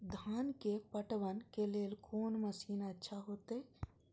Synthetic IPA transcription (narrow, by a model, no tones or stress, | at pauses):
d̪ʱaːnkepəʈʋənkeleːlkʰoːnməsiːnətːʃʰaɦot̪e